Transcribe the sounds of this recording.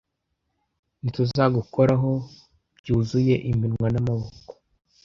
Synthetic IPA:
nituzaɡuko̞ɾaɦo̞ | bɟuːzuje̞ʔimbinŋwanamaβoko̥

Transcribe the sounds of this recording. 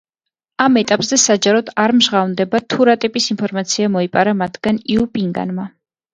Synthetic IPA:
amɛt̪ʼapʼzɛsad͡ʒaɾɔd̪̥aɾmʒʁavnd̪ɛbat̪ʰuɾat̪ʼipʼisinpʰɔɾmat̪sʰiamɔipʼaɾamat̪ʰɡ̥aniupʼiŋɡa̰nma

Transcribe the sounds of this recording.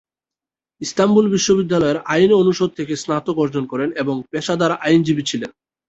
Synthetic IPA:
ist̪ambulbiʃːobid̪ːalɔeɾajneonuʃod̪̚t̪ʰekesnat̪oɡɔɾd͡ʑonkɔɾeneboŋpeʃad̪aɾʔajnd͡ʑibit͡ɕʰilen

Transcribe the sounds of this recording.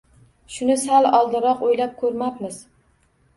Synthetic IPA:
ʃʊnɪsalɒlˠd̪ɪɾɒqojlap̚kʰɵɾmapmɪz

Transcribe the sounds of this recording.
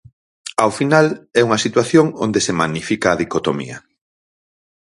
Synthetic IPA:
awfinalɛuŋɐsit̪waθjoŋo̰nd̪esemaɣnifikaːðikot̪omḭɐ̰

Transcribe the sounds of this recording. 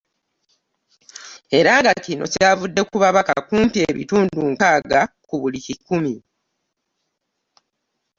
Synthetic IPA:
e̞ɾaːŋɡacino̞̰ceavudːe̞kuβaβaka̰kuːmpie̞ːβḭtuːnduŋkaːɡa | kuβulicikumi

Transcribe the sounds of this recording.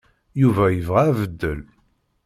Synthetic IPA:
juvæjəvʁæːvəd̪ːəl

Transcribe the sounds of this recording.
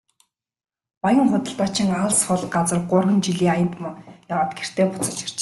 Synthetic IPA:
pajə̆ŋχʊt̪ə̆ɬt̪aːt͡ɕʰɪ̆ŋaɮsχʊɮɢat͡sə̆rɢʊrɣə̆nt͡ɕiɮiːŋajə̆nt̪mjawaːt̪̚ɡer̥t̪eːpʊt͡sə̆t͡ɕi̥r̥t͡ɕ

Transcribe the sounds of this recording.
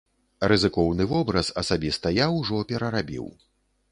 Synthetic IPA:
rɨzɨkɔwnɨvɔbɾɐsɐsabʲist̪ɐjawʐɔpʲɛɾɐɾabʲḭw

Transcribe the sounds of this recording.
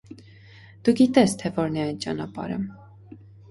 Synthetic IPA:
d̪̥uɡit̪ɛst̪ʰɛvɔɾnɛɑjnt͡ʃɑ̰nɑpɑ̰ɾə̰

